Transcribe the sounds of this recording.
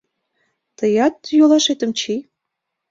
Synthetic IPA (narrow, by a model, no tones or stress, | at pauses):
t̪əjɑt̪jolˠɑʃet̪ə̆mt͡ɕij